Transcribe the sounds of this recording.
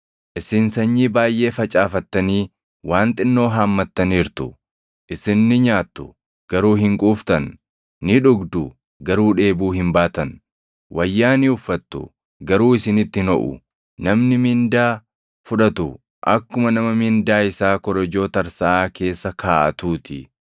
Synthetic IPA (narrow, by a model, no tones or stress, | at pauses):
ʔɪsɪnsɐɲːiːbaːjʔe̞ːfɐt͡ʃʼaːfɐt̪ːɐniː | waːnt̪ʼɪnːo̞ːɦaːmːɐt̪ːɐniːɾt̪ʊ | ʔɪsɪnːɪɲaːt̪ːʊ | ɡ̥ɐɾuːɦɪŋkʼuːft̪ɐnː | ɪᶑʊɡd̪ʊ | ɡɐɾuːᶑe̞ːbuːhɪmbaːt̪ɐn | wʔɐjːaːniʊfːɐt̪ːʊ̰ | ɡɐɾuːɪsɪnɪt̪ːɪhnɔʔʊ̰ | nɐmnɪmɪnd̪aː | fʊᶑɐt̪ʊ | ʔɐkːʊmɐnɐmɐmɪnd̪aːɪsaːkɔɾɐd͡ʒo̞ːt̪ɐɐɾsɐʔaːke̞ːsːɐkʰaːʔɐ̰t̪uːt̪ʰɪ̰